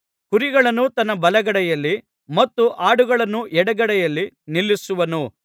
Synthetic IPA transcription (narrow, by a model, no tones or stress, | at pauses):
kuɾiɡɐɭɐnːut̪ɐnːɐbɐlɐɡɐɽɐjɐlːi | mɐt̪ːuʔaːɽuɡɐɭɐnːuʔɛɽɐɡɐɽɛjɐlːi | nilːisuʋɐnu